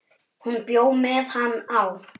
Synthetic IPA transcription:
hunpjoːwmɛðhanːaw

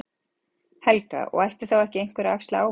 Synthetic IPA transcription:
hɛlka̰ɔ̰ɣajht̪ɪ̥θawɛhcɪejŋ̥kvɛɾaakst̪aaːw

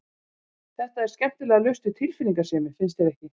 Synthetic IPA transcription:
θɛht̪aɛɾ̥scɛm̥t̪ɪlɛːɣalœst̪ʏt̪ʰɪlfɪlːiŋkasɪːmɪfɪnst̪ʰeɾɛhcɪ

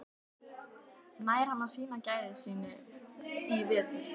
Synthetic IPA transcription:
naːjɾ̥hanːḁsiːnacaːjðɪsiːnʏ | ivɛːt̪ɪ

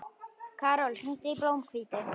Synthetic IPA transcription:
kʰaɾɔlχint̪ʼibɾɔmkʰwit̪ɛ

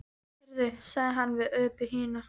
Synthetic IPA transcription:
ɾðʏsaɣðɪɦanːvɪðœːpɪɦiːna

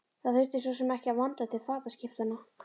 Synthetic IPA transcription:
θaðfʏɾ̥t̪ɪ̥s̬vɔsɛmɛhcɪavant̪at̪ʰɪlfaːt̪ascɪft̪anːa

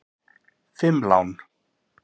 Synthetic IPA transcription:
fɪmla̰wn

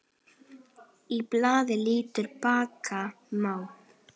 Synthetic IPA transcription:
iplaːðɪliːt̪ʏɾpaːkʰa | maːw

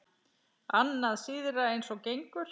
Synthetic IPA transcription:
anːaðsiːðɪɾaejnsɔcejŋkʏɾ̥

